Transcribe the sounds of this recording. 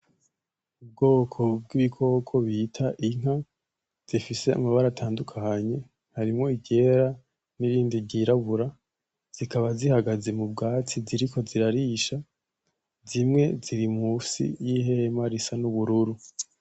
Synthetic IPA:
ub̚ɡo̞ːkʰo̞b̚ɡiβikʰo̞ːkʰo̞βitʰaʔiŋ̥a | z̥ifise̞a̰maβaɾatʰaːndukʰaɲe̞ | haɾimŋo̞iɟe̞ːɾa | niɾiːndiɟiɾaβuɾa | z̥ikaβazihaɡaze̞mub̚ɡaːt͡siziɾikʰo̞ziɾaɾiːʃa | zimŋe̞ziɾimusḭjihe̞ːmaɾisanuβuɾuɾu

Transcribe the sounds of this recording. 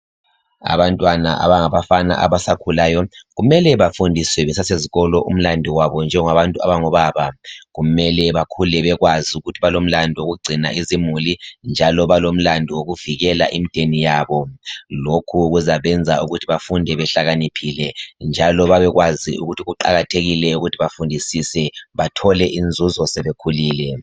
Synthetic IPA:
a̰βantʼwana̰ʔa̰βaŋaβafana̰ʔaβasakʰulajɔɣumɛlɛβafundʱiswɛβɛsaseziɣɔlɔʔum̩landʱiwaβɔnd͡ʒʱɛŋaβantʼua̰βaŋɔβaβaɣumɛlɛβakʰulɛβɛɣwaziuɣutʰiβalom̩landʱiwoɣuɡ͡ǀʱina̰ʔizimulind͡ʒʱalɔβalom̩landʱiwoɣuviɣɛla̰ʔimid̥ʱenijaβɔlokʰuɣuzaβɛnd͡zʱauɣutʰiβafundʱɛβɛɬaɣanipʰilɛnd͡ʒʱalɔβaβɛɣwaziṵɣutʰiɣuǃa̰ɣatʰeɣilɛuɣutʰiβafundʱisisɛβatʰɔlɛʔind͡zʱuzɔsɛβekʰuliːlɛ

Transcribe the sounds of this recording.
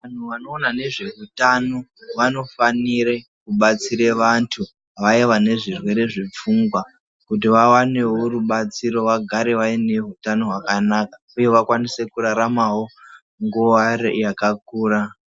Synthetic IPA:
ʋan̤uʋano̞ːnane̞ʐe̞rutanoʋano̞faniɾekuɓat͡siɾeʋantʰu | ʋaiʋane̞ʐirwe̞ɾe̞ʐip͡fuŋɡwa | kut̬iʋawane̞ɦo̞ruɓat͡siɾo̞ʋaɡʱaɾe̞ʋaine̞ɦutano̞ɦwakanakḁ | uje̞ʋakwanise̞kuɾaɾamawo̞ | ŋɡuʋajakakuːra

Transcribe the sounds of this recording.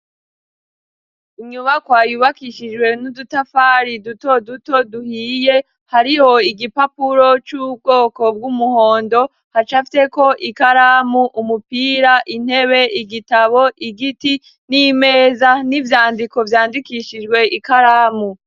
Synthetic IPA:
iɲuβakwaːjuβakiʃid͡ʒwe̞nudutafaːɾiduto̞duto̞duhiːje̞ | haɾiho̞iɡipapuɾo̞t͡ʃub̚ɡo̞ːko̞b̚ɡumuho̞ːndo̞ | hat͡ʃafi̥te̞ko̞ʔikaɾaːmuʔumupiːɾaʔin̥he̞βe̞iɡitaβo̞ʔiɡiti | nimeːzanivjaːndiko̞vjaːndikiːʃid͡ʒɡwe̞ʔikaɾaːmu

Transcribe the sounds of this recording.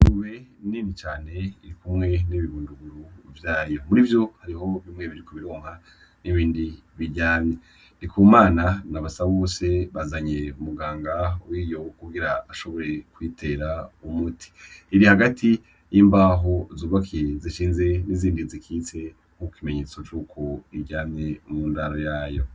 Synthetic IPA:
uβeninit͡ʃaːne̞iɾikumŋe̞niβiβuːnduɡuɾuvjaːjo̞muɾivjo̞haɾiho̞βimŋe̞βiɾikoβiɾo̞ːŋ̥ha | niβiːndi | βiɟaːɲe | dikʰuːmaːnanaβasaβoːse̞βazaɲe̞umuɡaːŋɡawiːjo̞kuɡiɾaaʃo̞βo̞ɾe̞kwiːtʰe̞ɾaumutʰi̥ːɾihaɡatʰi | jimbaɦo̞zuːβakʰijeziʃiːnze̞niziːndizikʰiːt͡se̞ | kukkime̞ɲe̞ːt͡so̞t͡ʃuːkʰo̞iɟaːmɲe̞muːndaɾojaːjo̞̰

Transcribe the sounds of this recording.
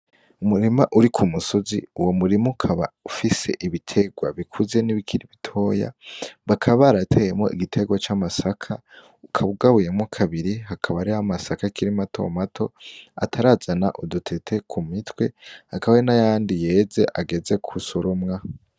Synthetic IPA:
umuɾimaʔuɾikʰumuso̞zḭuwo̞muɾimukʰaβa̰ufise̞̰ʔiβitʰe̞ɡwa̰βikʰuze̞niβikʰiɾiβitʰo̞ːja̰βakʰaβaːɾatʰejemŋo̞̰ḭɡitʰe̞ɡwat͡ʃamasakʰa | ukʰaβuɡaβuje̞mŋokʰaβiɾiɦakʰaβaɾihamasakakiɾimatʰo̞̰matʰo̞a̰tʰaɾazana̰ʔodutʰe̞tʰe̞kʰumitwe̞hakaβawenajaːndije̞ːze̞̰ʔaɡe̞ze̞kʰusoɾomŋa

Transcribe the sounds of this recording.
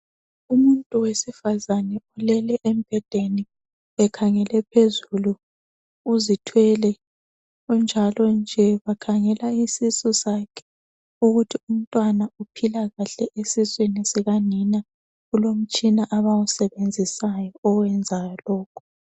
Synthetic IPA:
umuntʼuwesifazanɛulɛlɛʔem̩b̥ʱɛd̥ʱeni | ɛkʰaŋɛlɛpʰezulu | uzitʰwɛlɛ | ɣund͡ʒʱalɔnd͡ʒʱɛβakʰaŋɛlaisisɔsakʰɛ̥ | uɣutʰium̩tʼwanaupʰilaɣaɬɛʔesiswinisɛɣanina | ɣulom̩t͡ʃʼinaʔaβausɛβend͡zʱisajɔɔwɛnd͡zʱajɔlɔːkʰu̥

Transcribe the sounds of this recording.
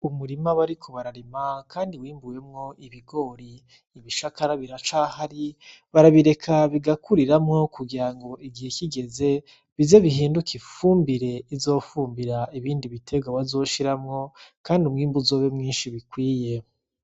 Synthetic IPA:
umuɾimaβaɾikʰoβaɾaɾimakʰaːndiwiːmbuje̞mŋo̞ʔiβiɡo̞ɾi | iβiʃakaɾaβiɾat͡ʃahaɾi | βaɾaβiɾe̞kʰaβiɡakuɾiɾamŋo̞kuɡiɾaŋɡo̞iɡihe̞kiɡe̞ze̞ | βizeβiɦiːndukʰifuːmbiɾe̞izo̞ːfuːmbiɾaiβiːndiβitʰe̞ɡwaβazo̞ːʃiɾamŋo̞kaːndiumŋiːmbuzoβemŋiːnʃiβikwiːje̞

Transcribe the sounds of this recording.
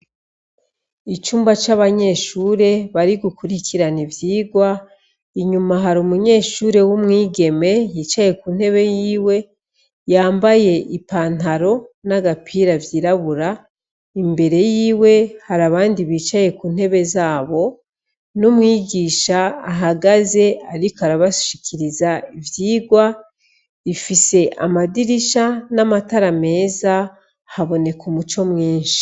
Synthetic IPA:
it͡ʃuːmbat͡ʃaβaɲe̞ːʃuːɾe̞βaɾiɡukuɾikʰiɾanivjiːɡwa | iɲumaɦaɾumuɲe̞ːʃuːɾe̞wumŋiːɡe̞me̞jiːt͡ʃaje̞kuːn̥he̞βe̞jiːwe̞ | jaːmbaje̞ʔipaːn̥aɾo̞naɡapʰiːɾavjiːɾaβuɾa | imbe̞ɾe̞jiːwe̞haɾaβaːndiβiːt͡ʃaje̞kuːn̥he̞βe̞zaːβo̞ | numŋiːɡiːʃaːɦaɡaze̞aɾikoaɾaβaʃi̥ʃikʰiɾizaivjiːɡwa | ifise̞ʔa̰madiɾiʃanamataɾame̞ːza | haβo̞ne̞kumut͡ʃo̞mŋiːnʃi̥

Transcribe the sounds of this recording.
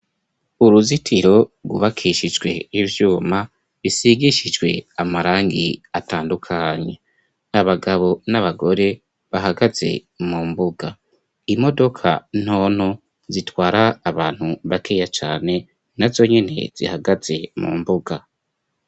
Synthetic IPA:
uɾuzitʰiɾo̞ɡṵβakʰiʃid͡ʒɡwe̞̰ivjuːma | βisiɡiʃid͡ʒɡwe̞̰amaɾaːŋɡḭataːndukʰaːɲe | aβaɡaβo̞naβaɡo̞ɾe̞ | βaɦaɡaz̥e̞̰ | muːmbuɡa | imo̞do̞kʰa̰n̥ho̞ːn̥ho̞ | zitwaːɾaːβaːn̥huβakʰeːjat͡ʃa̰ːne̞ | nazo̞ɲe̞ne̞̰z̥ḭhaɡaz̥e̞mṵːmbuɡa

